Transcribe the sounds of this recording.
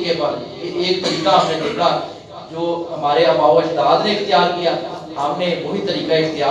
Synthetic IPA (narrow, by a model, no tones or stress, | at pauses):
kep | eːk̚t̪əɾiːkaɦəmnẽd̪eːka | d͡ʒoːɦəmaːɾeəmaːoɪʃt̪aːd̪nẽɪxt̪ɪjaːɾkija | ɦəmnẽbʊɾit̪əɾiːkaɪxt̪ɪjaː